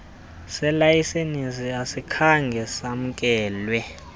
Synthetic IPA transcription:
sɛlajisenisiasikʰaŋɡʱɛsam̩kʼɛːlwɛ

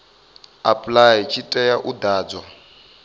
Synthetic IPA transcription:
apʼlajt͡ʃʰitʼɛjaʔud̪aːd͡zwa

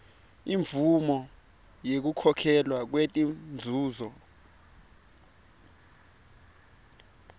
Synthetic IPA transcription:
iɱvumɔ | jek̬ukʰɔkʰɛlwak̬wetʼind͡zʱuːzɔ

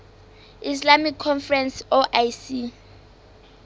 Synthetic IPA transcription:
islamikʰːɔnfrɛnsɔʔajsi

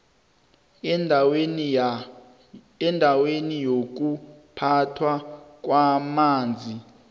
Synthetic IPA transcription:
ɛndʱawenijok̬upʰatʰwak̬wamaːnd͡zʱi

